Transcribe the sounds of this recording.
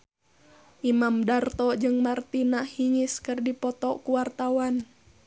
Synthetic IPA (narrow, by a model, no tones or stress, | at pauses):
ʔimamdart̪ɔd͡ʒɨŋmart̪inahiŋɪskɨrdipɔt̪ɔkuwart̪awan